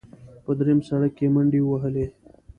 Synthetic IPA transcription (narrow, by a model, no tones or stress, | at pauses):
pəd̪ɾemsaɽəkːeməɳɖiwəɦəle